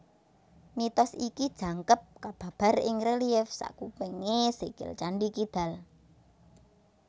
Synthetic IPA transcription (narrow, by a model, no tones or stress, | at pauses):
mit̪ɔsikid̥ʒ̥ä̤ŋkəp̚kab̥ä̤b̥a̤rɪ̰ŋreliɛfsa̰kupeŋeseɡ̥ɪ̰lt͡ʃaɳɖikid̪̥ä̤l